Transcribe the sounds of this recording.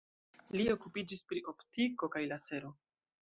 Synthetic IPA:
lio̞kupid͡ʒispɾiʔo̞ptiko̞kajlase̞ɾo̞

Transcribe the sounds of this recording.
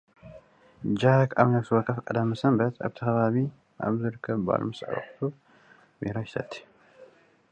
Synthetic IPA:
d͡ʒakaβnɐβsɨwɔkʰːɐfkʼɐd̪ɐmːɨsɐmbɐt̪ʰa̰βt̪ʰɐxɐβaβi | ʔa̰βzɨɾɨkʰːɐβba̰lmɨsʕ̰βɐ̰xt̪ʰu | mḭɾajɪsɐt̪ʰːi̥

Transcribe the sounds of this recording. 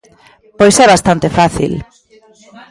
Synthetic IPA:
pojsɛβast̪ant̪efaθḭl

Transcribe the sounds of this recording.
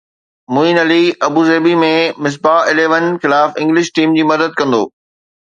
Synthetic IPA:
mʊiːnɐliɐbuːzeːbimẽmɪs̬baɪleːʋənxɪlaːfɪ̃ŋɡlɪʃʈiːmd͡ʑiːmɐd̪əd̪̚kɐ̃nd̪o̰ː

